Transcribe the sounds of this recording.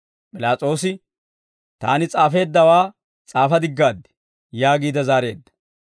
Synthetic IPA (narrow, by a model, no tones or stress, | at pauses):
pʼɪlaːt͡sʼo̞ːsɪ | t̪a̰ːnɪt͡sʼaːfe̞ːd̪ːɐwaː | t͡sʼaːfɐd̪ɪɡːaːd̪ːɪ̥ | jaːɡiːd̪ɐzaːɾe̞ːd̪ːɐ̥